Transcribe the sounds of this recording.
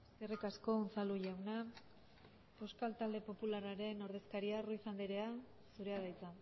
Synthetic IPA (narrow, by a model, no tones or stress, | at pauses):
eskerikasko̞nt͡saluʝawna | poskalt̪ald̪e̞po̞pularaɾe̞no̞ɾðe̞skaɾiaruisand̪iɾe̞a | suɾe̞aðajt͡sa